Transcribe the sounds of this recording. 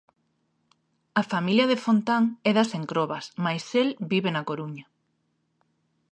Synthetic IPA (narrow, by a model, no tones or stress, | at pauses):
ɐfamiljɐðefont̪aŋɛðɐseŋkɾoβɐsmajselbiβenɐkoɾuɲɐ